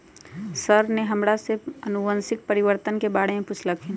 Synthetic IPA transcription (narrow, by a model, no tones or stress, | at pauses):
səɾneɦɐmɾaseɐnʊʋə̃nsɪk̚pəɾɪʋəɾt̪ənkebaːɽeẽpʊt͡ʃʰlakʰen